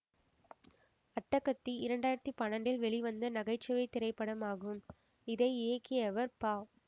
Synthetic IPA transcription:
ɐʈːɐkːɐt̪ːiɪɾɐɳɖaːjɪɾɐt̪ːɯpɐɳɐɳɖɪlʋɛɭiʋɐnd̪ɐnɐɣɐɪt͡ʃːɐʋɐɪt̪ɪɾɐɪpːɐɽɐmaːɣɯm | ɪðɐɪeːkːɪjɐʋɐɾpaː

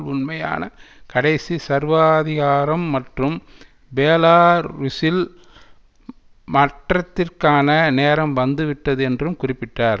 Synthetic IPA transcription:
ʊnmɐja̰ːnɐkɐɽɐɪsisɐɾʋaːðɪɣaːɾɐmːɐʈrɯm | beːlaːɾʋʊsɪl | mɐʈrɐt̪ːɪrkaːnɐneːɾɐmʋɐnd̪ɯʋɪʈːɐðɯɛndrɯmkʊrɪpːɪʈːaːɾ

